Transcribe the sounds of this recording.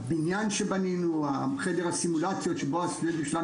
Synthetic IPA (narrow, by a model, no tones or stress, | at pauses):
binjanʃebaninuaχedeʁhasimulat͡sjotʃeboasnedimʃela